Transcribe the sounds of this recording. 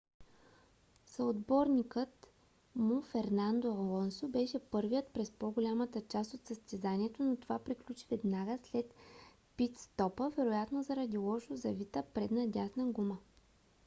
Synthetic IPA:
sɐod̪bɔɾnikət̪ | mʊfɛɾnand̪oɐlˠɔnsobɛʃɛpɤɾvijət̪pɾɛspoɡolʲamət̪ət͡ʃast̪ot̪səst̪ɛzanʲiɛt̪onot̪ovapɾiklʲut͡ʃi̥vɛd̪naɡəslɛt̪ | pit̪st̪ɔpəvɛɾojat̪nozɐɾɐd̪ilˠɔʃozɐvit̪əpɾɛd̪nɐd̪ʲasnəɡumə

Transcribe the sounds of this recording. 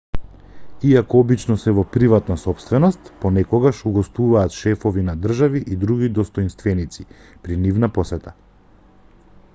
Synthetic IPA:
iakɔɔbit͡ʃnɔsɛvɔpɾivat̪nasɔpst̪vɛnɔst̪pɔnɛkɔɡaʃuɡɔst̪vuvaːt̪ʃɛfɔvinad̪r̩ʒaviʔid̪ɾuɡid̪ɔst̪ɔjnst̪vɛnit̪si | pɾinivnapɔsɛt̪a

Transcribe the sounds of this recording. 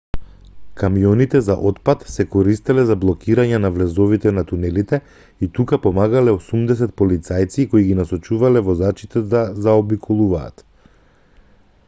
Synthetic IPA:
kamijɔnit̪ɛzaʔɔt̪pat̪sɛkɔɾist̪ɛlɛzablˠɔkiɾaɲɛnavlɛzɔvit̪ɛnat̪unɛlit̪ɛ | it̪ukapɔmaɡalɛosumd̪ɛs̬ɛt̪̚pɔlit̪sajt̪sikoiɡinasɔt͡ʃuvalɛvɔzat͡ʃit̪ɛd̪azaɔbikʰɔlˠuva̰ːt̪

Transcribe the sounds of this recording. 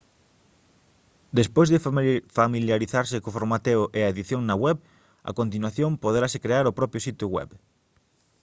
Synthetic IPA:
d̪espojzðɪfamiljaɾiθaɾsɪkoʊfoɾmat̪eʊʔeaeðiθjoŋnɐɣwɛβ | ɐ̰kont̪inwaθjompoðɾasɪkɾeaɾʊpɾɔpjʊsit̪jʊɣwɛ̰β

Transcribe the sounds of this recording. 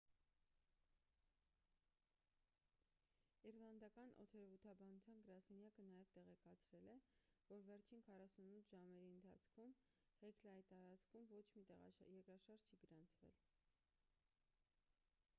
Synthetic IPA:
irlɑnd̪ɑkɑnʔɔ̰t̪ʰɛɾvut̪ʰɑbɑnut͡sʰjɑnɡəɾɑsɛnjɑkənɑjɛvt̪ɛʁɛkɑt͡sʰɾɛlɛvɔɾvɛɾt͡ʃʰinkʰɑrɑsunut̪ʰːʒɑmɛɾiənt̪ʰɑ̰t͡sʰkʰum | hɛkʰlɑj̪t̪ɑɾɑt͡skʰumvɔt͡ʃʰmit̪ɛjɛɾkɾɑʃɑɾd͡ʒt͡ʃʰiɡəɾɑnt͡sʰvɛ̰l

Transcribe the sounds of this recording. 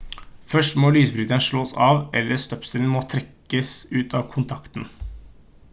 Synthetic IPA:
fœʂʈmɔːlyːsbɾʏːt̪ənʂɭoːsɑːʋʔɛlːəst̪œpsəln̩moːt̪ʰɾɛkːəsʉːt̪ɑːʋkʰʊnt̪ʰɑkt̪n

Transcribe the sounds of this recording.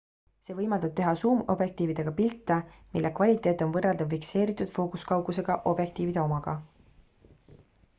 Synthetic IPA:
se̞ːvɤjmɑld̪ɑb̥̚t̪e̞ɦɑsuːmo̞̰bje̞k̚t̪iːvid̪̥e̞ɡ̥ɑpilt̪ːˑɑmilːʔekvɑlʲit̪ˑe̞ːt̪ːˑo̞nvɤreld̪ɑvfikse̞ːɾit̪ːˑud̪̥fo̞ːkuskɑwɡuse̞ɡ̥ɑʔo̞bje̞k̚t̪iːvid̪̥e̞o̞mɑɡ̥ɑ

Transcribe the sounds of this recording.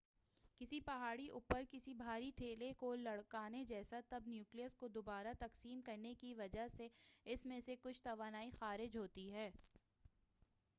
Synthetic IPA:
kɪsipɐɦaːɽiʔʊpəɾkɪsibʱaːɾiʈʰeːlekolɐɽkaːned͡ʒɛːsat̪ɐbnjuːklijəskod̪obaːɾat̪ɐqsiːmkɐɾnekiʋɐd͡ʒaɦseɪsmẽsekʊt͡ʃʰt̪ɐʋaːnaːixaːɾɪd͡ʒɦoːt̪iɦɛː

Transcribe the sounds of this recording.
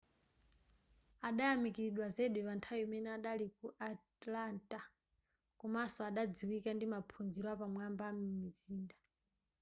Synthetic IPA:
aɗajamikiɾiɗwazeɗwɛβantʰajɔmɛnɛaɗalikuʔatlantʼa | kɔmasɔaɗad͡ziwikandimapʰunziɾɔapamwambamumiziːnda

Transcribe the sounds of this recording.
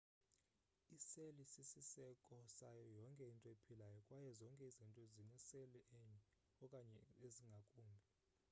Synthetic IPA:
iselisisisɛkʼɔsajɔjɔŋkʼɛintʼɔepʰilajɔkʼwajɛzɔŋkʼɛizintʼɔzinɛseliʔɛɲɛ | ɔkʼaɲɛeziŋɡʱakʼuːmbʱɛ

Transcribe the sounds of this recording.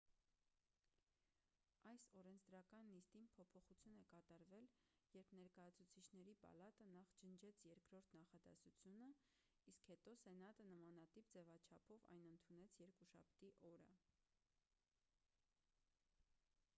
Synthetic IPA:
ɑjsɔɾɛnt͡sʰd̪ɾɑkɑnːist̪inpʰɔpʰɔχut͡sʰjunɛkɑt̪ɑɾvɛljɛɾpʰnɛɾkɑjɑt͡sʰut͡sʰit͡ʃʰnɛɾipɑ̰lɑt̪ənɑχt͡ʃənt͡ʃʰɛt͡sʰjɛɾkʰɾɔɾt̪ʰnɑχɑd̪ɛ̰sut͡sʰjunə | iskhɛt̪ɔsɛnɑt̪ənəmɑnɑt̪ipd͡zɛvɑt͡ʃʰɑpʰɔvɑ̰jnənt̪ʰunɛt͡sʰjɛɾkuʃɑ̰p̚ʰt̪iʔɔɾə̰

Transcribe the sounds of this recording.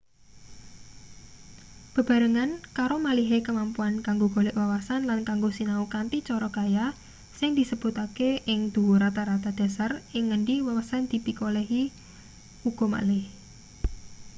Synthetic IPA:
b̥ə̤b̥a̤ɾəŋankaɾomaliɦekəmampuankaŋɡoɡ̥olɛʔwawasanlankaŋɡosinaukant̪it͡ʃɔɾɔɡ̥aja | sɪŋd̪̥i̤səb̥ṳt̪akeɪŋd̪̥uwuɾat̪aɾat̪ad̪̥a̤sarɪŋːəɳɖiwawasand̪̥i̤p̪ikolɛɦi | uɡ̥o̤ma̰lɪh

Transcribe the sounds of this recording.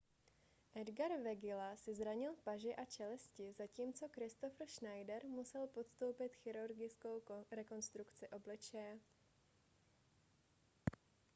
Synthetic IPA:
ʔɛdɡaɾvɛɡɪlasɪzɾaɲɪlpaʒɪʔat͡ʃɛlɛscɪzaciːmt͡so̞kɾɪst̪ofr̩ʃnajdɛɾmusɛlpo̞t̪st̪o̞wpɪt̪xɪɾuɾɡɪt͡skowɾɛko̞nst̪ɾukt͡sɪʔo̞blɪt͡ʃɛjɛ

